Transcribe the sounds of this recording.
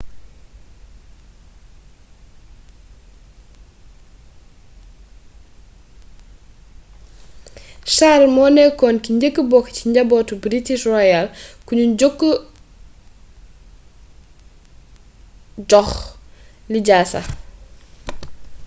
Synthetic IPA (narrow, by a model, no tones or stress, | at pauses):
ʃarmɔnɛkɔnkiɲɟəkːəbɔkːciɲɟɐbɔːtubɾitiʃrɔjalkuɲuɟokːə | d͡ʒɔx | liɟaːsɐ̰